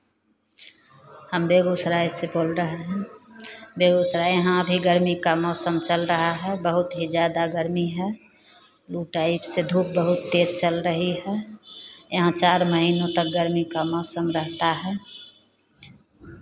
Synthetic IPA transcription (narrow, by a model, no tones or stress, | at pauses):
həmbeɡosɾajseboːlɾəɦeɦɛ̃ | beɡosɾaɦãəbʱiɡəɾmikamɔːsəmt͡ʃəlɾəɦaɦɛbəɦʊt̪ɦid͡ʒjaːd̪aɡəɾmiɦɛ | luʈaipsed̪ʱuːp̚bəɦʊt̪ːeːd͡ʒt͡ʃəlɾəɦiɦɛ | jɦãt͡ʃaːɾməɦiːnõt̪ək̚ɡəɾmikamɔːsəmɾəɦt̪aɦɛː